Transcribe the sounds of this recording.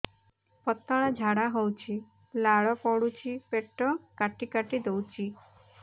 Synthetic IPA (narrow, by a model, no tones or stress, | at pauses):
pɔt̪ːɔɭad͡ʒʱaɽaɦɔwt͡ʃʰi | laɭɔpɔɽut͡ʃʰipeʈɔkaʈikaʈid̪ɔwt͡ʃi